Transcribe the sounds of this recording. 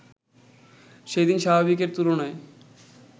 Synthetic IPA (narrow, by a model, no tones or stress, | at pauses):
ʃed̪inʃabʱabik̬eɾt̪uɾonae